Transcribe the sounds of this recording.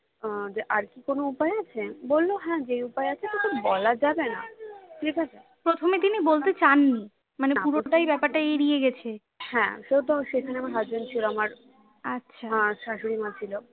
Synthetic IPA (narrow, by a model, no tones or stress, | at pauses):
ɔ̃d͡ʑeʔaɾkikonoupaeat͡ɕʰebolːoɦɛ̃d͡ʑejupaeat͡ɕʰet̪okʰubɔlad͡ʑabena̰tʰikasʰe | pɾot̪ʰomet̪inibolt̪et͡ɕanːi | manepuɾoʈajbɛpaɾʈajeɾieɡɛt͡ɕʰe | hɛ̰̃ʃewt̪oʃekʰaneamaɾɦad͡ʑbont͡ɕʰiloamaɾ | atːɕʃʰãʃaʃoɾimat͡ɕʰilo